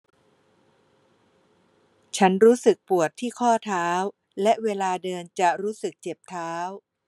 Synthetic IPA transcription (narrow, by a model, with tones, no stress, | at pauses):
t͡ɕʰa˦˥nɾuː˦˥sɯ˨˩k̚pu˨˩ət̪ʰːiː˥˩kʰɔː˥˩t̪ʰaː˦˥w | lɛ˦˥ʔweː˧laː˧dɤː˧nt͡ɕa˨˩ɾuː˦˥sɯ˨˩k̚t͡ɕe˨˩p̚t̪ʰaː˦˥w